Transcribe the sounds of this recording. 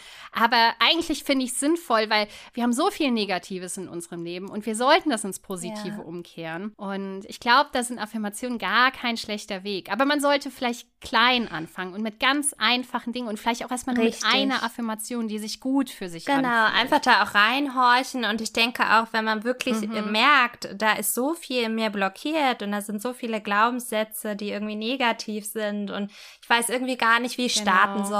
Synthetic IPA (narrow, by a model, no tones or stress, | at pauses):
ʔaːbɐʔaɪɡŋ̩tlɪçfɪndəɪçsz̥ɪnfɔlvaɪlvviːɐhabm̩zoːfiːlneːɡatʰiːvəsɪnʔʊ̰nzəʁəmleːbm̩ʔʊ̰ntv̥iːɐzɔltn̩d̥asʊnspʰoːzitʰiːvəʔʊmkʰeːʁənʔʊntʔɪçɡ̥laʊbəd̥aːzɪntafɪɐmat͡sjoːnənɡaːɐkʰaɪnʃlɛçtɐveːkʔaːbɐmanzɔltəfɪlaɪçtkʰl̥aɪnʔa̰nfaŋənʊntmɪt̚ɡ̥ant͡sʔaɪnfaχn̩dɪŋənʊntfɪlaɪçtaʊxʔeɐstmalʁɪtʔaɪnɐʔafɪɐmat͡sjoːndiːzɪçɡ̥uːtfyːɐzɪçʔɡ̥ənaʊʔa̰ɪnfaχd̥aːaʊxʁaɪnɦɔɐçn̩ʊntɪçd̥ɛŋkʰəʔa̰ʊxv̥ɛnmanvɪɐkʰlɪçmɛɐktd̥aːʔɪstz̥oːfiːlɪnmiːɐblɔkʰiːɐtʊnt̚d̥aːzɪntz̥oːfiːləɡlaʊbm̩sz̥ɛt͡sədiːʔɪɐɡŋ̩tv̥iːneːɡatʰiːfz̥ɪntʊntɪçv̥aɪsʔɪɐɡŋ̩tv̥iːɡaːɐnɪçtv̥iːɪçʃtaɐtn̩zɔ